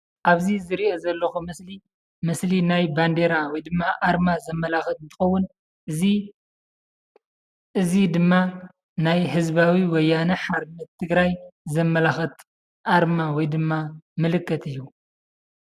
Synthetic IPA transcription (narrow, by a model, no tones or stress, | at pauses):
ʔaβzizɨɾiʔo̞zɐlːɐxumɨsli | mɨslinajband̪eɾawɔjd̪ɨmːaʔaɾmazɐmːɐlaxɐt̪ɨnt̪ʰɨ̥xɐwːʊn | ʔɨzi | ʔɨzid̪ɨmːa | najɦɨzbawiwɔjːanɐħaɾmɐt̪ʰːɨɡɾajzɐmːɐlaxɐt̪ | ʔaɾmawɔjd̪ɨmːamɨlɨkːɐt̪ʰɨjːu